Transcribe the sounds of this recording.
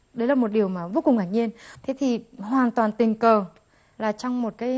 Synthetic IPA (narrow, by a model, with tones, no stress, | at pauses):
ɗə˨˦jlaː˨˩mo˨˩t̚ɗi˨˩əwmaː˨˩vo˧˦kʊ˨˩ŋ͡mkaː˧˩ɲi˧ənt̪ʰe˨˦t̪ʰi˨˩hwaː˨˩nt̪waː˨˩nt̪ï˨˩ŋ̟kəː˨˩ | laː˨˩t͡ɕɔ˧wŋ͡mmo˨˩t̚kaː˨˦